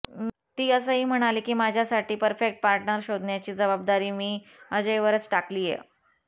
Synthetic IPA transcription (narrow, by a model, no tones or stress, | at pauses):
t̪iːəs̬əɦiːm̤əɽ̃aliːkiːmad͡ʑʱjasaʈiːpəɾfek̚ʈ̚paɾʈɳəɾɕod̪ʱnjat͡ɕiːd͡zəbab̚d̪aɾiːmiːəd͡ʑejʋəɾət͡sʈakliːjḛ